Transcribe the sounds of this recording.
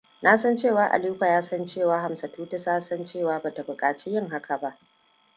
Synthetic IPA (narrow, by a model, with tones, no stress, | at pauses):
na˦sɐ˦nt͡ʃeː˦˨waː˨ʔa̰˨liː˦ɸa˨jaː˦sɐ˦nt͡ʃeː˦˨waː˦ɦa˨msɐ˨tuː˦ta˦saː˦sɐ˦nt͡ʃeː˦˨waː˦baː˨ta˨bʊ˨kʼaː˨t͡ʃi˦jɪ˦˨ŋɦa˦kʰa˨ba˦ʔ